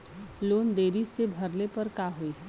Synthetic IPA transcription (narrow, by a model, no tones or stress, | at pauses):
loːnd̪eːɾisebʱɐɾlepɐɾkaɦoiɦ